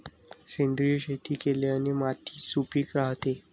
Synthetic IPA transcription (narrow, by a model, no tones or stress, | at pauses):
send̪ɾijɕet̪ʰiːkeleənemat̪ʰi̥ːsupiːkɾaɦt̪e